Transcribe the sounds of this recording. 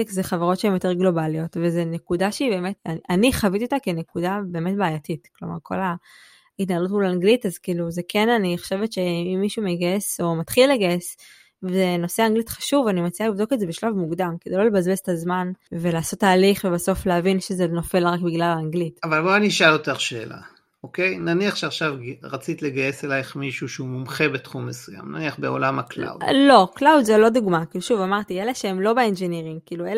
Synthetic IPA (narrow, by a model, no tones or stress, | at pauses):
kzeχavaʁo̞tʃeemjote̞ʁɡlo̞balio̞tvezenekudaʃeibe̞ːme̞taniχavitijot̪akenekudabe̞ːme̞tbeːjatitklo̞̰ma̰ʁkʰo̞̰la | itnaalutmulaŋɡlitazkiːluzekʰe̞naniχo̥ʃe̞vetʃe̞imːiʃumeɡaeso̞matχilːeɡaes | vezeno̞se̞aŋɡlitχḁʃuvanimat͡sialivdo̞kezebeʃlavmuɡdamkedejlolebazbesetazmanve̞laːso̞tːaːliχvebaso̞flehavinʃezeno̞fe̞lʁakbiɡlalaŋɡlitavalboaniʃajote̞ʁʃeːlʔa̰ | okejnaniaχʃeaχʃavʁat͡sit̪le̞ɡaje̞selajeχmiʃuʃeumumχebe̞tχumːesuja̰mna̰niaχbeo̞̰lamakla̰w̰dlo̞klawd̪zelo̞duɡmakiːluʃuvamaʁt̪ieleʃeemlo̞beend͡ʒeniʁimkiːluel